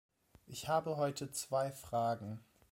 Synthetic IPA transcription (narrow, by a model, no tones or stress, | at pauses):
ʔɪçhaːbəɦɔʏtʰət͡sv̥aɪfʁ̥aːɡŋ̩